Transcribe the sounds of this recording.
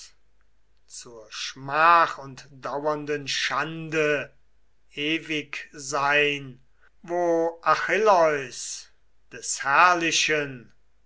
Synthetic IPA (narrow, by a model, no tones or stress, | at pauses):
t͡suːɐʃmaːχʊntd̥awɐndənʃandə | eːvɪkzaɪn | voːʔaxɪlɔʏs | d̥ɛshɛɐlɪʃən